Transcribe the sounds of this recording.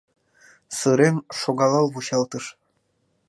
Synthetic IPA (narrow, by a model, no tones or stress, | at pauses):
sɯɾemʃoɣɑlɑlβuɕɑlˠt̪ɤʃ